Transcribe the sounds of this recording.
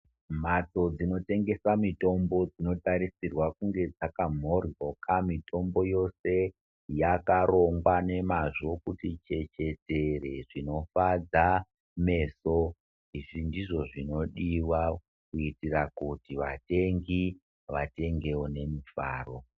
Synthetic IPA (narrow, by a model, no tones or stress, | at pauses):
m̤at͡so̞d͡zino̞te̞ŋɡe̞samito̞mbo̞d͡zino̞taɾisirwakuŋɡe̞d͡zakam̤orokamito̞mbo̞jo̞se̞ | jakaɾo̞ŋɡwane̞maʐo̞kutit͡ʃe̞t͡ʃe̞te̞reʐino̞fad͡za | me̞ːso | iʐindiʐo̞ʐino̞ɗiwa | kuitirakutiʋate̞ŋɡi | ʋate̞ŋɡe̞wone̞mifa̰ːro̞